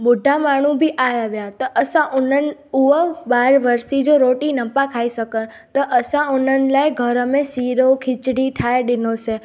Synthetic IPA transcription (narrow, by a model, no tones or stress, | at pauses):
bʊɖʱamaɽ̃ũbʱiʔajaʋjat̪oʔəsaʔunənuʋəbaɾʋəɾst̪id͡ʒoɾoʈinəmpãkʰaiʃəkən | t̪oʔəsãunənlajɡʱəɾəmesiɾokʰɪt͡ʃɽiʈʰajɖinot͡ʃʰe